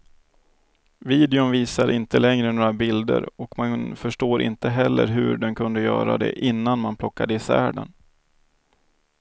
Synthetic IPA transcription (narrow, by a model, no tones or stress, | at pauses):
viːd̪ɪʊnviːsaɾʔɪnt̪əlɛŋɾənoːɾabɪld̪ə̰ɾɔkmafœʂʈoːɾʔɪ̰nt̪əɦɛlːə̰ɾɦɵ̰ɖɛnkʰɵnd̪əjœːɾa̰d̪ɛ̰ʔɪnːanmanpʰlɔkːad̪əɪsæːɖə̰n